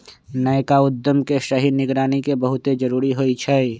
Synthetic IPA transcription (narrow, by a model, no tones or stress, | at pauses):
nəekaʊd̪ːəmkeʃəɦinɪɡɾaːnikebəɦʊt̪ed͡ʒəɾuːɾiɦoit͡ʃʰɛ